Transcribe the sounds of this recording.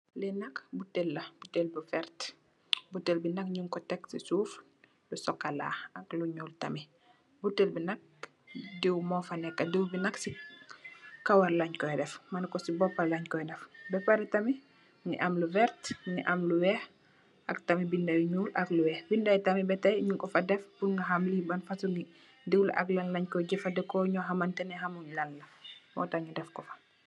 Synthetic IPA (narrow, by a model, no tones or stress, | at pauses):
lɛnɐkbutelːɐbutelbivɛɾt | butɛlbinɐkɲumkɔtɛksisuːf | lusɔkːɐla̰ːɐkluɲuːltɐmi | butːelbinɐk̚ | dewmɔːfɐnɛkːɐdewbinɐksi | kɐwɐɾlɐɲkɔjdɛfmɐnkɔsibɔpːɐlɐɲkɔjdɛfbɛpaɾɛtɐmi | ŋḭʔamluvɛɾtniʔɐmluwɛh | ʔɐktɐmibindajɲulɐkluwɛːhbindajtɐmibɛtajɲuŋkɔfɐdɛfbunŋɡɐɦamlibɐnfɐsuŋɡi | diwl̰ʔɐ̰klɐnlaɲkɔɟɛfɐdɛkɔɲɔɦɐmɐntɛnɛɦɐmuɲlɐnːɐmɔ̰taɲidɛfkɔfɐ̥